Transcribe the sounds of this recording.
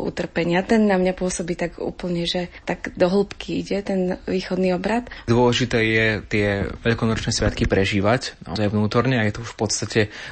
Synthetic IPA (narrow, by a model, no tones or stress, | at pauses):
ṵt̪r̩pɛɲɪat̪ɛnːamɲapʊɔsɔbiːt̪aɡṵːpl̩ɲɛʒɛt̪aɡd̪ɔɦl̩pkkʰiiɟɛt̪ɛnʋiːxɔd̪niɔbɾat̪d̪ʊɔlɛʒit̪ɛːjɛt̪ɪɛʋɛʎkɔnɔt͡ʃnɛsʋa̰t̪kipɾɛʒiːʋacna̰ɔzajʋnuːt̪ɔɾɲɛajɛt̪ɔuʃfpɔt̪st̪acɛ